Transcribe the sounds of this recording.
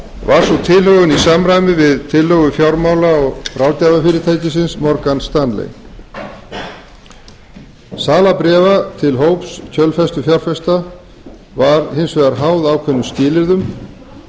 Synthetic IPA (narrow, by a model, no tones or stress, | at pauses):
vaɾ̥sɔt̪ʰɪlhœɣʏnisamɾaːjmɪvɪðt̪ʰɪlːœːɣʏfjawɾmaːwlaɔɣfɾawt̪avafɪːɾɪt̪ʰaːjcɪsɪnsmɔɾkanst̪anlḛj | saːlapɾɛːvat̪ʰɪlɦoːwpscʰœlfɛst̪ʏfjawɾ̥fɛst̪a | vaɾhɪnsvɛːðaɾɦawðawkʰvɛnːʏmscɪːlɪɾðʏm